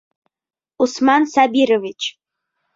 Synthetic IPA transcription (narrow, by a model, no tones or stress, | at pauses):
usmansabiɾovit͡ʃʰ